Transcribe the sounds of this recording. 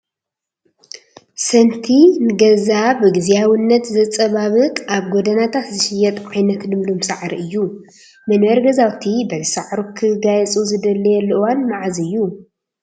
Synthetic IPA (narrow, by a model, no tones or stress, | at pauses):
sɐnt̪ʰinɨɡɐzaβɨɡɨzijawinːɐt̪zɐt͡sʼɐβaβɨkʼaβɡod̪ɐnat̪ʰat̪zɨʃɪjɛt̪ʼʕajnɐt̪lɨmlomsaʕɾiʔɨjːu | mɐnwɐɾɡɐzawt̪ʰibɐzsaʕɾukʰɨɡajɛt͡sʼuzɨd̪ɐlːɐjɛlːʔwanmaʕaziɨjːu